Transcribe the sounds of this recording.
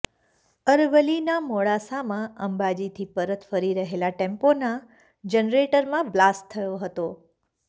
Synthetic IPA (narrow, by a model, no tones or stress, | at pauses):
əɾʋəlinamoɭasamãəmbad͡ʒit̪ʰipəɾət̪ʰfəɾiɾəɦelaʈẽmpona | d͡ʒənɾeʈəɾmãʋlasʈt̪ʰːəjoɦət̪o